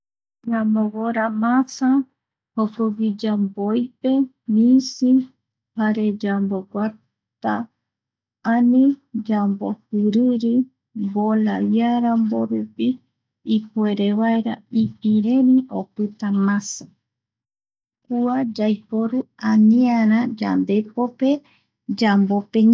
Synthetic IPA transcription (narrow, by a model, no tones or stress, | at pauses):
ɲamoβoɾamãsa | hokoβid͡ʒambojpe | mĩsi | paɾed͡ʒamboɡʷa | t̪a | anĩd͡ʒambohɨɾɨɾi | bolaβjaɾamboɾupiː | pueɾeβaeɾaipiɾeniopɨt̪amãsa | kuad͡ʒajpoɾuanĩaɾ̃ãd͡ʒa̰nd̪epope | d͡ʒambopeɲ